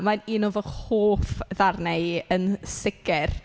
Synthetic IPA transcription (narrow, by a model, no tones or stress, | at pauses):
maniːnovɔhoːfðarnɛɨənsɪɡɪr